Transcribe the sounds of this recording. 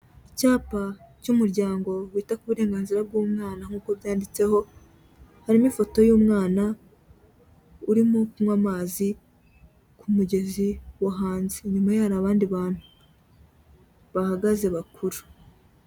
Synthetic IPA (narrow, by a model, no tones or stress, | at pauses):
icaːpacumuɾɟaːŋɡo̞wiːtakuβuɾe̞ːŋɡaːnziɾab̚ɡuːmŋaːnaŋ̥uːko̞βjaːndit͡se̞ho̞ | haɾimifo̞to̞juːmŋaːna | uɾimo̞kumŋamaːzi | kʰumuɟe̞ziwaɦaːnzeɲumajaɾaβaːndiβaːn̥hu | βahaɡaze̞βakʰuɾu̥